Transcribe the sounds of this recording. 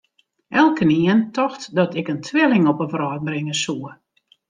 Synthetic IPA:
ʔɛlˠkəniəntʰɔxtdɔtɪkəntʰʋɪlɪŋɔpəfrɔːt̚brɪŋəsuə

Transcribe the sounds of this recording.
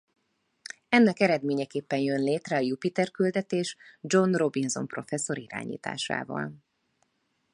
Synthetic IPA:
ɛnːɛkɛɾɛd̪meːɲɛkeːpːɛnjønleːt̪rɛɒjupit̪ɛrkyld̪ɛt̪eːʃd͡ʒo̞nro̞binzo̞̰mpro̞̰fɛsːo̞ɾiɾa̰ːɲḭːt̪a̰ːʃa̰ːvɒ̰l

